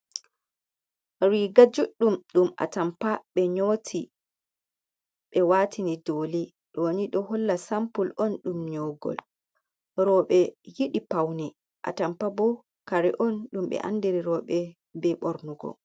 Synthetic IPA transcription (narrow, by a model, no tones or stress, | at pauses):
ɾiːɡad͡ʒuɗːumɗumʔa̰tampaɓɛɲoːtʰi | ɓɛwaːtʰinidoːli | ɗɔniɗɔhɔlːasampulɔnɗumɲɔɡɔ̰l | ɾɔɓɛjiɗipawni | ʔa̰tampabɔ | kaɾɛ̰ʔɔnɗumɓɛ̰ʔa̰ndiɾiɾɔɓɛ | bɛɓɔɾnuɡɔ̰